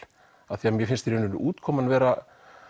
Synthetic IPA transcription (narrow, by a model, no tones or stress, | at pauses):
aθiamjɛfɪnst̪ɾeːnʏnʏʔuːt̪kʰɔːmanvɛːɾa